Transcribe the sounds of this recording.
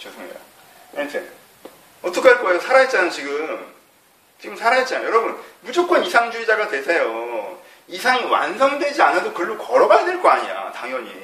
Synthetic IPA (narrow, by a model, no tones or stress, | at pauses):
t͡ɕosʰɯŋḛa̰ | etʰen | ʌtʰʌkʰeaɭk͈oejosʰaɾaɦet̚t͡ɕ͈anaot͡ɕiɡɯm | t͡ɕiɡɯmsʰaɾaɦet̚t͡ɕ͈anajjʌɾʌbunmud͡ʑok͈wʌnisʰaŋd͡ʑuid͡ʑaɡatwe̞sʰejo | isʰaŋwa̰nsʰʌŋdwe̞d͡ʑianadokɯɭːukʌɾʌɡajadweɭk͈oaɲiɾa̰taŋjʌɲḭ